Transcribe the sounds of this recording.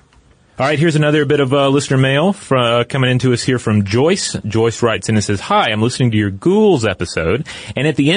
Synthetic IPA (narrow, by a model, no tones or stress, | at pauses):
ɑlˠɹaɪt̚ɦiɹzɨnʌðə˞bɪɾʌvʌlɪsnə˞meɪlˠfɹʌkʰʌ̃mɪ̃ŋɪ̃ntʉʌshiɹfɹʌ̃md͡ʒɔɪsd̥ʒ̥ɔɪsɹaɪtsɨ̃nɨtsɛz̥haɪãɪ̃mlɪsnɪ̃ŋtɨjə˞ɡuɡl̩ˠzɛpɨsoʊɾɨ̃ñɨt̪̚ðiɛ̃